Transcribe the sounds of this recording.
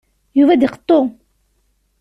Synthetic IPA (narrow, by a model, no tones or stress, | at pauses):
juvæd̪iqə̥t̪ˤːo